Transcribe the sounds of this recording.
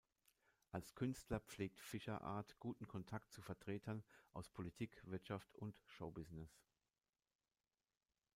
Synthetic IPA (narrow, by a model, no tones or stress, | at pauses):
ʔalskʰʏnstlɐpp͡fleːk̚tfɪʃɐʔa̰ːɐtɡ̥uːtn̩kʰɔntʰak̚tt͡sufɛɐtʁ̥eːtʰɐnʔa̰ʊspʰolitʰiːkv̥ɪɐtʃaftʰʊntʃoʊbɪznɪs